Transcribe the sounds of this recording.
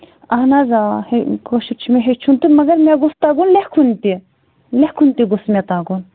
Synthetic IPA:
ɐɦnazahekoʃiɾt͡ʃʰumeɦet͡ʃʰunt̪inmɐɡɐɾmeɡust̪aɡunlehkʰunt̪i | lehkʰunt̪iɡusmet̪aɡun

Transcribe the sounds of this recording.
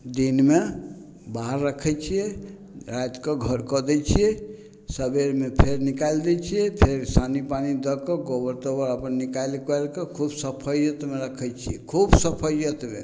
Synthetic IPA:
d̪inme | baɦɾːəkʰɛt͡ʃʰijɛ | ɾajt̪kəɡʱəɾkəd̪ɛt͡ʃʰijɛ | səbeɾmepʰeɾnikald̪ɛt͡ʃʰijɛpʰeɾsanipanid̪əkɔɡobəɾt̪əbəɾəpənːikajlkəlkekʰubsəpʰəjət̪meɾəkʰɛt͡ʃʰijɛkʰubsəpʰəjət̪mḛ

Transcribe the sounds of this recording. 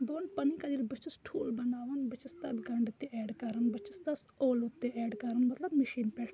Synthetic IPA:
boːnpɐnikad̪ilbət͡ʃɪsʈʰṵːlbɐnaːʋənbət͡ʃɪst̪ɐt̪ɡɐɳɖʊt̪ːeʔɛːɖkɐɾənbɐt͡ʃɪst̪ɐsoːlʊt̪ːeɛːɖkɐɾənmɐt̪ləbmɪʃiːnpɛː

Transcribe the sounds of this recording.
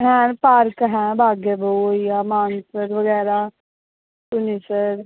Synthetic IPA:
ɦɛ̃paːɾkɦɛ̃ːbʱaːɡebʱəuijamaːnsəɾʋəɡɛːɾa | t̪unisəɾ

